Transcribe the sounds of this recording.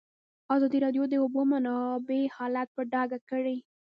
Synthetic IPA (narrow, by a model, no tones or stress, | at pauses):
ɑzɑd̪iɾɑɖjod̪əubomanɑbehɑlat̪̚pəɖɑɡakəɽe